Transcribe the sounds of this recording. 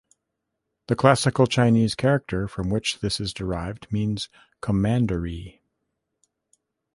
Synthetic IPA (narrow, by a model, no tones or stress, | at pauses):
ðɨkʰl̥æsɨkl̩ˠt͡ʃʰãɪ̃niz̥kʰɛɹɨk̚tʰə˞fɹʌ̃mwɨt͡ʃðɪsɨzdə˞aɪvdmĩnz̥ | kʰəmæ̃ndə˞i